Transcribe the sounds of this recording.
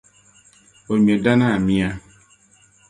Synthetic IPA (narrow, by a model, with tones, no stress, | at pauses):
o˨mi˨e˨da˦na˦˨mĩ˦a˦